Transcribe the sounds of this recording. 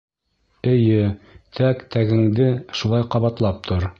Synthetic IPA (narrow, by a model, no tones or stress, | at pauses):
ɘ̆jɘt̪ʰækt̪ʰæɡɘ̆ŋd̪ɘʃulˠɑjqɑβɑt̪lˠɑp̚t̪ʰoɾ